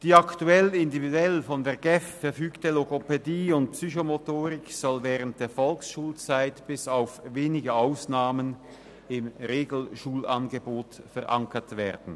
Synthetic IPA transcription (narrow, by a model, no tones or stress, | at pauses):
d̥iːaktuɛlɪndividuɛlfɔndeːɐɡɛffɛɐfyːktəloɡopediːʊnt̚psyçomotoːʁɪksɔlvɛːʁənt̚d̥eːɐfɔlksʃuːlt͡saɪtb̥ɪsaʊfveːnɪɡəaʊsnaːmən | ɪmʁeːɡl̩ʃuːlanɡəboːtfɛʁʔa̰ŋkətv̥ɛ̰ːɐd̥n̩